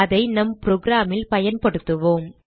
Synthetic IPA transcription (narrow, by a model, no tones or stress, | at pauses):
ɐðɐɪnɐmpɾoːɡɾaːmɪlpɐjɐnpɐɽɯt̪ːɯʋoːm